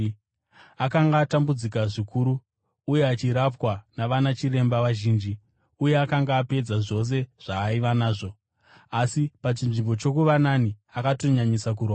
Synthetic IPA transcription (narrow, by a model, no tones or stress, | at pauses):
akaŋɡaːtambud͡zikaʐikʰuɾuː | je̞at͡ʃiɾapwanaʋanat͡ʃire̞mbaʋaʒiːnd͡ʒi | uje̞akaŋɡaːpe̞d͡zaʐo̞s̬e̞ʐ̥aːiʋanaːʐo | asipat͡ʃinʐimbo̞t͡ʃo̞kuʋananiakato̞ɲaɲisak̬uroːa